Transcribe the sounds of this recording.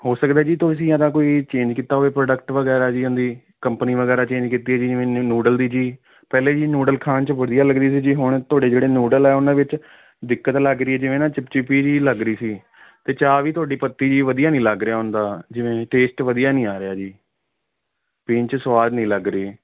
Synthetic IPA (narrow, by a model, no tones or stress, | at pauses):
hoːsəkd̪ɛːd͡ʒiːt̪oːəs̬ĩːad̪ãːkoːiːt͡ʃẽːɲd͡ʒkiːt̪ːaːɦoːeːpɾoːɖəkʈʋəɡɛːɾaːd͡ʒiːʊnd̪iː | kəmpəniːʋəɡɛːɾaːt͡ʃẽːɲd͡ʒkit̪iːɛːd͡ʒiːd͡ʒɪʋẽːnuːɖəld̪iːd͡ʒiː | pɛːleːd͡ʒiːnuːɖəlkʰaːnt͡ʃəʋəd̪ijaːləɡdiːsiːd͡ʒiːɦʊɳ̃t̪ʊaːɖeːd͡ʒeːɽeːnuːɖəlɛːʊnãːʋɪt͡ʃ | d̪ɪkːət̪ləɡɾɪiːɛːd͡ʒɪʋẽːnãːt͡ʃɪpt͡ʃɪpiːd͡ʒiːləɡɾəiːsiː | t̪eːt͡ʃaːʋiːt̪ʊaːɖiːpət̪ːiːd͡ʒiːʋəd̪ijaːnĩːləɡɾɪaːɦʊnd̪aːd͡ʒɪʋẽːʈeːsʈʋəd̪ijaːnĩːaːɾɪaːd͡ʒiː | pɪːnt͡ʃsʋaːd͡ʒnĩːləɡɾiː